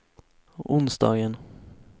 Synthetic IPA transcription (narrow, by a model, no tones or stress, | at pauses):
ʊnsd̪ɑ̰ːɡən